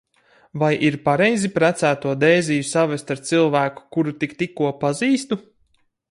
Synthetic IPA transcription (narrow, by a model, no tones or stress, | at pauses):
vajʔiɾpaɾejzipɾæt̪sæːt̪uɔd̪ɛːzijusavɛst̪aɾt̪silˠvæːku̥kuɾut̪ikt̪ikːuɔpaziːst̪u